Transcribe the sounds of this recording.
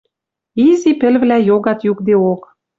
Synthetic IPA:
izipɘ̆lβlæjoɣɑt̪jukd̪eok

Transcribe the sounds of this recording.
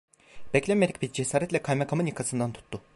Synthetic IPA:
b̥ɛclʲɛmeɾic̚ʲbiɾd͡ʒesaːɾɛt̪lʲɛkʰajmakʰamɯnjakʰasɯnd̪ant̪ʰu̥t̪ʰːʊ

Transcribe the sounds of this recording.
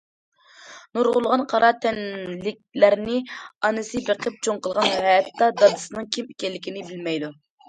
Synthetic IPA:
nuɾʁʊlˠʁɑnqʰɑɾɑt̪ʰɛnlɪk̚ʲlæɾnɪɑnɨsɨbeqʰəp̚t͡ʃʰoŋqəlˠʁɑnɦɛjɛt̪ːɑd̪ɑd̪ɨsɨnɨŋkʲʰimekʲɛlːɪkʲinɪbɪlmɛjd̪u

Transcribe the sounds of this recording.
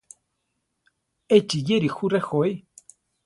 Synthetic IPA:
et͡ʃijeɾixuɾexoj

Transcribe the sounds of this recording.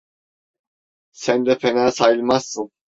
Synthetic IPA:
sænd̪ɛfʰenaːsajɯlˠmasːɯn

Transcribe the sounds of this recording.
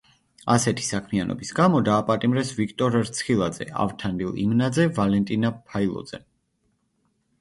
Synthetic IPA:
asɛt̪ʰi̥sakʰmianʔɔ̰bisɡamɔd̪aːpʼat̪ʼimɾɛsvikʰt̪ʼɔɾɾt̪sʰχilˠad̪zɛ̰a̰vt̪ʰand̪ilˠḭmnad̪zɛvalɛnt̪ʼinapʰailˠɔ̰d̪z̥ɛ

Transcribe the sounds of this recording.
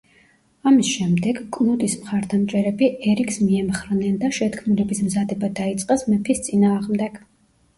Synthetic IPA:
amisʃɛmd̪ɛɡkʼnud̪ismχaɾd̪amt͡ʃʼɛɾɛbiɛɾikʰsmiɛmχɾnɛnd̪aʃɛt̪kʰmilɛbismzad̪ɛbad̪ait̪sʼqʼɛsmɛpʰist̪sʼinaːʁmd̪ɛɡ̥

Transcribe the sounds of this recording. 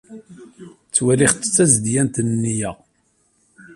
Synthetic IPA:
t͡sːwæliχt͡sːə̥t͡sːæzd̪jænt̪nnːijæ

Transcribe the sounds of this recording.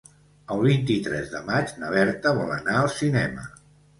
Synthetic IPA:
əlˠβint̪it̪ɾɛ̰zðəmad͡ʒnəβɛɾt̪əβɔlə̰naəlˠsinɛmə̰

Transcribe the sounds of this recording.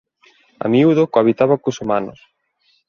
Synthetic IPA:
a̰miuðokoaβit̪aβakusumanʊ̰s

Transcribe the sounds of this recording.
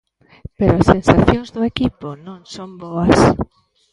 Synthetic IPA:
peɾoasensaθjõŋzðʊekiponõŋsomboas

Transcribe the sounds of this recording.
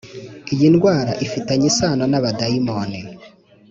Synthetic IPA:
ijinɡwaːɾaʔifitaɲisaːnanaβadaimoni

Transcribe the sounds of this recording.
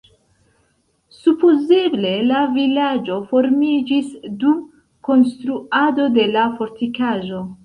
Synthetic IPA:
supozeble̞lavilad͡ʒo̞fo̞ɾmid͡ʒisdum | ko̞nstɾuado̞de̞lafo̞ɾtikaʒo̞

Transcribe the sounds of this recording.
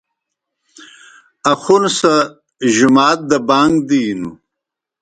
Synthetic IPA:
ɐxunsa | ʒumaːt̪̚d̪əbaːŋɡd̪inṵ

